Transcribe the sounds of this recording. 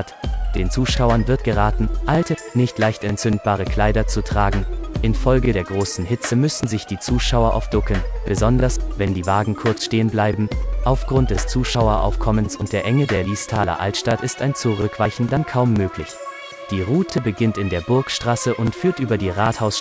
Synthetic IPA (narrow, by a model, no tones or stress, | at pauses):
td̥eːnt͡suːʃaʊɐnvɪɐtɡ̥əʁaːtn̩ʔaltənɪçtlaɪçtɛntt͡sʏnt̚b̥aːʁ̞əkʰl̥aɪdɐt͡sutʁ̥aːɡŋ̩ʔɪnfɔlɡədeːɐɡʁoːsn̩hɪt͡səmʏsn̩zɪçd̥iːt͡suːʃaʊɐʔa̰ʊfd̥ʊkənb̥əzɔndɐsvɛndiːvaːɡŋ̩kʰʊɐt͡sʃteːənblaɪbm̩ʔaʊfɡ̥ʁʊnt̚d̥ɛst͡suːʃaʊɐʔa̰ʊfkʰɔmənsʔʊnt̚d̥eːɐʔɛŋədeːɐliːstʰaːlɐ̰ʔa̰ltʃtatɪstaɪnt͡suʁʏkv̥aɪçn̩dankʰaʊmːøːklɪç | d̥iːʁuːtʰəbəɡɪntɪndeːɐbʊɐkʃtʁ̥aːsəʔʊntfyːɐtʔyːbɐdiːʁaːthaʊs